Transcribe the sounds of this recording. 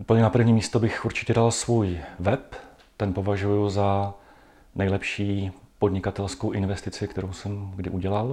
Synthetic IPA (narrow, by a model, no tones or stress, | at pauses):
ʔuːpl̩ɲɛnapr̩vɲiːmiːst̪obɪxʔuɾt͡ʃɪcɛdalsvujvɛp | t̪ɛnpo̞vaʒujuza | nɛjlɛpʃiː | podɲɪkat̪ɛlskowʔɪnvɛst̪ɪt͡sɪkt̪ɛɾowsɛmɡdɪʔuɟɛlal